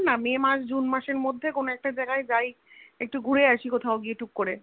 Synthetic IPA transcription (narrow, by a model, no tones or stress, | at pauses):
namemaʃd͡ʑunmaʃeɾmod̪ʱːekonoɛk̚ʈad͡ʑaeɡaed͡ʑaj | ek̚ʈuɡʱuɽeaʃikot̪ʰaoɡieʈukːoɾe